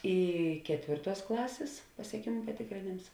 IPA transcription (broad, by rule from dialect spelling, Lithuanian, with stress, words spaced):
ˈiː ˈkʲæːtʲʋʲeːrˌtuɔs ˈklˠɑːsʲeːs pɐsʲiɛˈkʲeːmʊ pɐtʲeːkrʲeːˈnʲeːms